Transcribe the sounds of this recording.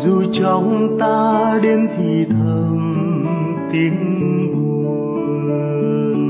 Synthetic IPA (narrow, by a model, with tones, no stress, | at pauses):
zu˨˩t͡ɕɔ˨˩wŋ͡mt̪aː˧ɗe˧nt̪ʰi˨˩t̪ʰə˧˩m | t̪i˨˦əŋvu˧˩